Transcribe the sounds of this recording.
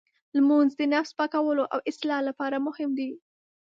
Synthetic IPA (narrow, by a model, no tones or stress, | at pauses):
lmunzd̪ənafspɑkawəloʔa̰wʔɪslɑlapɑɾamʊhɪmd̪i